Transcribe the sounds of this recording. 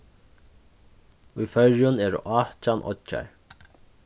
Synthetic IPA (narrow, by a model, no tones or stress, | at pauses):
ujfœɹjʊnɛːɾʊ̰ʔaːht͡ʃanʔɔ̰t͡ʃːa̰ɹ